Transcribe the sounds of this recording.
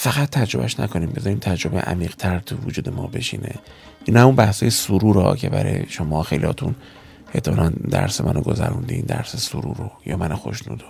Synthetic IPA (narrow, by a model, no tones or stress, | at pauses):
fæɣæt̪ʰːæd͡ʒɾo̞bæʃnækʰo̞niːmbe̞zɒːɾiːmt̪ʰæd͡ʒɾo̞beʔæmiːɣ̥t̪ʰæɾt̪ʰuvud͡ʒuːd̪e̞mɒːbe̞ʃiːnʔe̞ | ʔinhæmunbæhsɒːjesuɾuːɾɒːcʰe̞bæɾɒjeʃomɒːxejlihɒːt̪ʰun | et̪ʰːemɒːnænd̪æ̰ɾsemænoɡo̞zæɾund̪eind̪æɾsesuɾuːɾojɒːmænoxoʃnuːd̪o